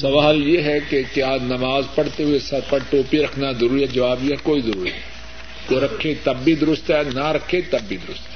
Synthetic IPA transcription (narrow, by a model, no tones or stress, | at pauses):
sɐʋaːljeɦɛkekjaːnɐmaːzpɐɽ̤t̪eɦʊesɐɾpɐɾʈoːpiɾɐkʰnazɐɾuːɾiɦɛd͡ʒɐʋaːbjeɦɛkoːizɐɾuːɾiɛ | koɾɐkʰːet̪ɐbːid̪ʊɾʊst̪ɦɛnaɾɐkʰːet̪ɐbːid̪ʊɾʊst̪ɦɛ